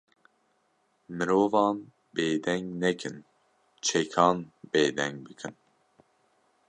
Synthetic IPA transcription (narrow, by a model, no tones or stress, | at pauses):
mɨɾoːvɑːn | beːd̪ɛŋɡnɛkʰɨn | t͡ʃʰɛkʰɑːnbeːd̪ɛŋɡ̚bɨkʰɨn